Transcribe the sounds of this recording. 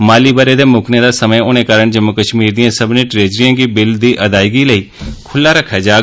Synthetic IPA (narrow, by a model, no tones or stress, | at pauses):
maːliːbəɾeːd̪eːmʊkʰneːd̪aːsəməːʊnẽːkaːɾəɳd͡ʒəmːʊkəʃmiːɾd̪ijãːsəbnẽːʈɾeːd͡ʒɾijãːɡiːbɪld̪iːʔəd̪aːiɡiːləiːkʰʊlːaːɾəkʰːaːd͡ʒaː